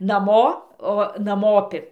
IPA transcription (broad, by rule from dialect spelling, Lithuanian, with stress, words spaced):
nɐˈmoː oː nɐˈmoːpʲɪ